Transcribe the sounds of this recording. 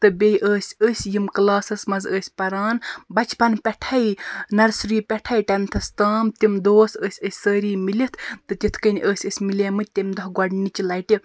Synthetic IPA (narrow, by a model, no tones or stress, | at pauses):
t̪ɨbʲejʔəːsʲəːsʲjimklaːsɐsmɐzəːsʲpɐɾaːnbɐt͡ʃʰpɐnpʲɛʈʰɐjnɐɾsɾiːpʲɛʈʰɐjʈɐmʲt̪ʰɐst̪aːmt̪imd̪oːsəːsʲəsʲsəːɾiːmilit̪ʰt̪ɨt̪it̪ʰkɐnʲʔəːsʲəsʲmileːmɨt̪emʲd̪ɐɦɡɐɖnit͡ʃilɐjʈi